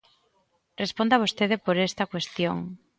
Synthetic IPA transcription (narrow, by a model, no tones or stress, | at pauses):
respond̪aβost̪eðepoɾest̪ɐkwest̪jo̰ŋ